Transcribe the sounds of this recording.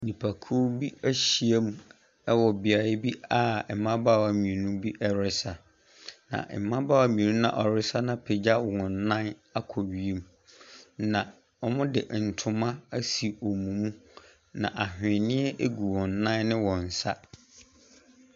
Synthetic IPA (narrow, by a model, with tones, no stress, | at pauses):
nĩ˨pʰa˨kʰu˦bi˦æ˦ɕi˨e˦mũ˦ | ɛ˦wɔ˨bɪ˨a˨ɾɪ˦bi˦a˦˨mã˦ba˦˨wa˨mĩ˨nũ˦bi˦ʔɛ˦ɾɪ˦sa˨ | nã̰˨ʔm˨mã˦baː˦a˨mĩ˨nũ˦nã̰˨ʔɔ˨ɾɪ˦sa˦nã˦pʰɪ˨d͡ʑa˦˨ŋʊ̃˨n˨nã˦na˦kʰɔ˨ɥi˨e˦m˦ | nã˨ | ɔ˦mʊ̃˦dɪ̰˨ʔn̩˨tʰʊ˨mã˦æ˦si˨o˨mũ˨mũ˦ | nã̰˨ʔa˨ɦᶣɪ̃˨nɪ̃˦ɛ˦ʔe˦ɡu˨wɔ̃˨n˨nã˦nnɪ̃˦wɔ̃˨n̩˨sa˦